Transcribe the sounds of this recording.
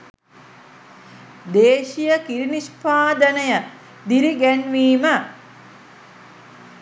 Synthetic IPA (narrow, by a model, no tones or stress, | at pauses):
d̪eːʃijəkiɾinispaːd̪ənəjə | d̪iɾiɡænʋiːmə